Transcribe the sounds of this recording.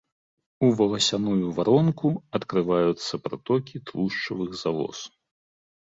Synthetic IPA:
uvɐlˠɐsʲanujuvaɾɔnkuɐt̪kɾɨvajut̪sːɐpɾa̰t̪ɔkʲit̪lˠuʂt͡ʂɐvɨɣzalˠɔ̰s

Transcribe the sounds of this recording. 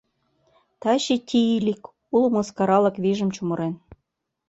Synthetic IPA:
t̪ɑɕit̪ʲʰiilʲik | ulmɤ̆skɑɾɑlɤ̆kβiʒə̆mt͡ɕumɤ̆ɾen

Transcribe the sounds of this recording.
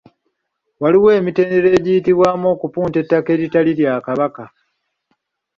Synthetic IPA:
waliwe̞ːmite̞ːnde̞ɾe̞ːɟijitiβwaːmo̞ːkupuːnte̞tːake̞ːɾitaliɾjakaβaka

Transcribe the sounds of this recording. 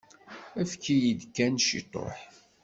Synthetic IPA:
æfkːijid̪kːænʃḭt̪ˤo̰ħ

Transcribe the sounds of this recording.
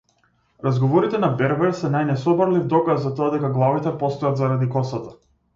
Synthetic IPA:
ɾazɡɔvɔɾit̪ɛnabɛɾvɛɾsɛnajnɛsɔbaɾlivd̪ɔkasːat̪ɔad̪ɛkaɡlˠavit̪ɛpɔst̪ɔjat̪zaɾad̪ikɔsat̪a

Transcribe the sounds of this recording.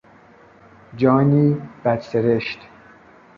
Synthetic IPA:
d͡ʒɒːniːb̥æd̪seɾeʃt̪

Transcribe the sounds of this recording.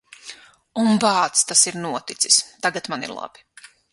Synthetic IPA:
unbaːt̪st̪asiɾnuɔt̪it̪si̥st̪aɡat̪manḭɾlˠa̰b̥i̥

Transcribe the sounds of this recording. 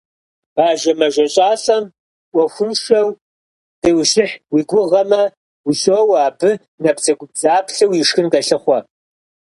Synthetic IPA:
b̥aːʒɐmɐʒɐɕʼaːɬʼɐm | ʔʷɔxʷʊnʂɐw | d̥ɐwɕɪħwiːɡʷʊʁɐmɐ | wiɕʼowaːbɨ | nɐpzɐɡʷʊbzaːpʰɬɐwjɪʂxɨnkɐɬɨχʷɔ

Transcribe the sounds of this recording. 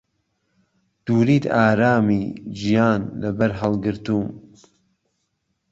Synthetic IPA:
d̪̥uːɾiːt̪aːɾaːmid͡ʒijaːnlɐbɐɾɦɐlˠɡɨɾt̪uːm

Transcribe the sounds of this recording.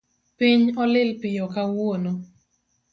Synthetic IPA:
piɲɔlɪlpɪjɔkawono

